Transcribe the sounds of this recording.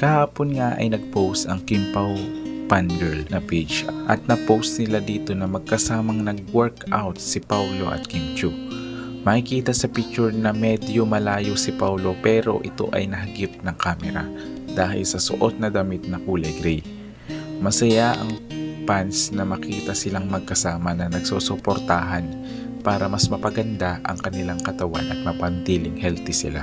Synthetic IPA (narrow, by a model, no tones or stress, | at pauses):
kɐhaːponŋaʔɐ̰jnɐɡ̚powst̪ɐŋkɪmpawpand̪ɛlnɐpit͡ʃʔɐt̪̚nɐpowst̪̚nɪlad̪iːt̪o̞nɐmɐɡ̚kɐsaːmɐŋnɐɡ̚wɛɹka̰wt̪̚sɪpawlo̞ʔɐ̰t̪̚kɪmt͡ʃu | mɐkɪkiːt̪ɐsɐpɪt͡ʃːʊɹnɐmɛd̪jomɐlaːjosɪpawlo̞pɛːɾo̞̰ʔɪt̪o̞̰ʔɐ̰jnɐɦɐɡip̚nɐŋkaːmɛɾa̰ | d̪aːhɪlsɐso̰ʔo̞t̪̚nɐd̪ɐmit̪̚nɐkuːlɐjɡɾɛj | mɐsɐjaʔɐ̰ŋpansnɐmɐkiːt̪ɐsɪlaŋmɐɡ̚kɐsaːmɐnɐnɐɡsoːsopoɾt̪aɦɐn | paːɾɐmɐsmɐpɐɡɐnd̪aʔɐ̰ŋkɐnɪlaŋkɐt̪ɐwa̰nʔɐt̪̚mɐpɐnt̪iːlɪŋhɛlt̪ɪsɪ̰la̰